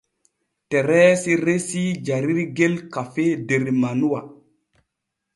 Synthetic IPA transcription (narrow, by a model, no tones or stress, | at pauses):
teɾɛsiɾesid͡ʒaɾiɾɡelkafedeɾmanuwa